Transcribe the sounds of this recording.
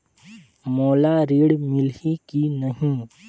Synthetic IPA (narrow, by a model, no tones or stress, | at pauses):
moːlaɾiːɽmɪlikinɐɦĩ